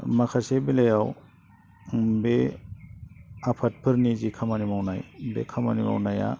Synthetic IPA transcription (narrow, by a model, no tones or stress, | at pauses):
makʰasebilajaw | be | apʰat̚pʰɯɾnizikʰamanimawnajbḛkʰama̰nima̰wnaja̰